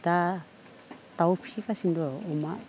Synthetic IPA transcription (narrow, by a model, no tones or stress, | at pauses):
t̪a | t̪aupʰi̥ʃikasind̪oomã